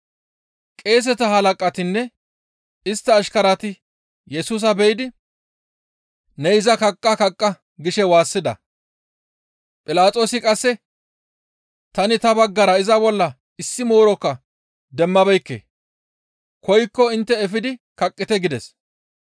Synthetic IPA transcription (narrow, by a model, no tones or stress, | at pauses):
kʼe̞ːs̬ɛt̪ɐɦɐlɐkʼɐt̪ɪnːɛ | ɪst̪ːɐːʃkɐɾɐt̪ɪ | jɛsuːs̬ɐbɛjɪd̪ɪ | nɛɪzɐkɐkʼːɐkɐkʼːɐ | ɡɪʃɛwaːsːɪd̪ɐ̰ | pʼɪlaːt̪ʼo̞ːsɪkʼɐsːɛ | t̪ɐnɪt̪ɐbɐɡːɐɾɐɪzɐbɔlːɐ | ɪsːɪmo̞ːɾɔkːɐ | d̪ɛmːɐbɛjkːḛː | kɔjkːɔɪnt̪ːɛːfɪd̪ɪkɐkʼːɪt̪ɛɡɪd̪ɛs